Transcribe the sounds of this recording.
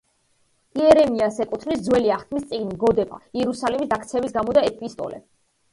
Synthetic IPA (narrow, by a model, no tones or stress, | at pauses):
iɛɾɛmiasɛkʼut̪ʰnisd̪zwɛliaχt̪ʰmist̪sʼiɡniɡɔd̪ɛba̰iɛɾusalimisd̪akʰt̪sʰɛbisɡamɔd̪aɛpʼist̪ʼɔ̰lɛ̰